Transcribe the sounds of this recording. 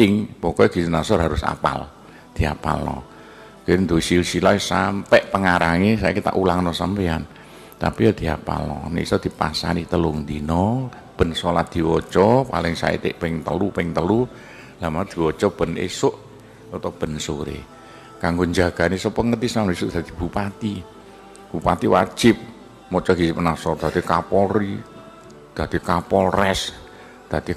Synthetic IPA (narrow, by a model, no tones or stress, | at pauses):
ɪŋbɔkɔɡ̥i̤sunasɔrɦaɾʊsa̰pa̰l | d̪̥i̤a̰pa̰lːɔ̰ | kend̪oisilsilasampɛʔpəŋaɾaŋesaḭkit̪a̰ʔulaŋnɔsampean | t̪apijɔd̪̥i̤a̰pa̰lɔ̰nḛsɔd̪̥i̤pa̰sa̰nit̪əlʊŋd̪inɔ | b̥ə̤nsolat̪̚d̪̥i̤wɔt͡ʃɔpa̰lɪŋsa̰ḭt̪ɪ̰ʔpɪŋt̪əlupɪŋt̪əlu | lamaɾd̪̥i̤wɔt͡ʃɔb̥ə̤nḛsʊʔ | ɔt̪ɔb̥ə̤nsoɾḛ | kaŋɡoɲd͡ʒa̤ɡ̥a̤neisɔpəŋət̪isanesʊʔd̪̥a̤d̪̥i̥b̥upat̪i | b̥upat̪iwa̰̥d͡ʒ̥ɪp̚ | mɔt͡ʃɔɡ̥isipənasɔd̪̥a̤t̪ikapɔɾi | d̪̥a̤t̪ikapɔɾɛs | d̪̥a̤t̪i